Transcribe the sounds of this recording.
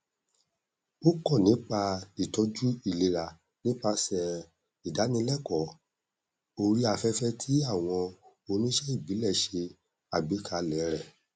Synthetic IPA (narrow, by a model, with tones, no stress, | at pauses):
o˦kɔ˦˨nĩ˨˦k͡pa˧i˨tɔ˦d͡ʒu˦i˦˨le˧ɾa˨ | nĩ˨˦k͡pa˧sɛ˨ | i˨da˨˦nĩ˦lɛ˦˨kɔ˨˦ | o˧ɾi˦a˧fɛ˦fɛ˦tʰi˦a˦˨w̃ɔ̃˧ | o˧nũ˦ʃɛ˦i˦˨bi˨˦lɛ˦˨ʃe˧ | a˨bi˨˦kʰa˧lɛ˨˦ɾɛ˦˨